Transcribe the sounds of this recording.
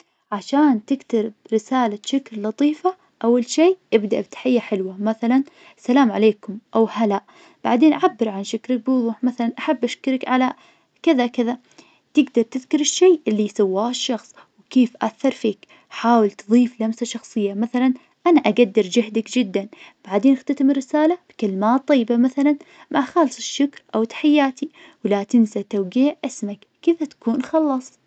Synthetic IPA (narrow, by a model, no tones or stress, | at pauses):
ʕaʃaːnt̪ɪɡt̪aɾɪbɾɪsaːlaʃɪkɾlɑt̪ˤiːfa | ʔawːalʃeːʔɪbd̪aʔbɪt̪ħajːaħɪlwamaθalan | salaːmʕaleːkʊmʔawhalaʔ | b̥aʕd̪eːnʔaʕabːɪɾʕanʃɪkɾɪk̚bɪwʊðˤuːħmaθalanʔaħabːʔaʃkɪɾɪkʕala | kɪðakɪða | t̪ɪɡd̪ɑɾˤt̪ɪðkʊɾɪʃːeːʔɪlːijsawːaːhɪʃːɑxsˤ | wkeːfʔa̰θːɑɾˤfiːk | ħaːwɪlt̪ðˤiːflamsaʃɑxsˤɨjːamaθalan | ʔanaʔaɡad̪ːɪɾd͡ʒɪɦd̪akd͡ʒɪd̪ːanb̥aʕd̪eːnɪxt̪at̪amɪrːɪsaːlab̥kalɪmaːt̪ˤːɑjːbamaθalan | mʔaxɑːlsˤɪʃːʊkɾʔawt̪ḁħajːaːt̪ʰi | wlat̪ɪnsat̪awɡiːʕʔɪsmakːɪðat̪ḁkuːnxɑlːɑsˤ